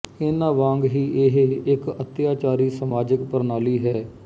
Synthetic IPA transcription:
ɪnãːʋãːŋɡɦiːʔɪɦeɪkət̪jaːt͡ʃaːɾiːsəmaːd͡ʒəkpəɾnaːliːɦɛː

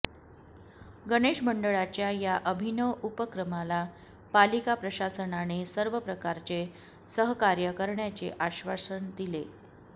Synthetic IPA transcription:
ɡəɽeɕməɳɖəɭat͡ɕjajaʔəbʱinəupəkɾəmala | palikapɾəɕasənanesəɾʋəpɾəkaɾt͡ɕe | səɦkaɾjəkəɾɳjat͡ɕeʔaɕʋasəɳd̪ile

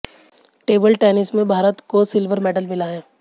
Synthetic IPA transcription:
ʈeːbəlʈɛːnɪsmẽbʱaːɾət̪kosɪlʋəɾmɛːɖəlmɪlaːjãː

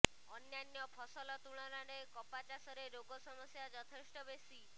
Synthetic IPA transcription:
ɔnjanjɔpʰɔsɔlɔt̪uɭ̃ɔɾaɽekɔpat͡ʃasɔɾeɾoɡɔsɔmɔsjad͡ʒɔt̪ʰesʈɔbest̪i

